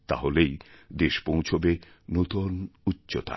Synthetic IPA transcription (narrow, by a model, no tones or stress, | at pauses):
t̪a̰ɦolejd̪eʃpõw̃t͡ɕʰobe | not̪onutːɕot̪a̰